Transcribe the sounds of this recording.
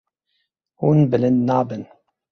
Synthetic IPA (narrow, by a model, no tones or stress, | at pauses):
huːnbələnːaːbən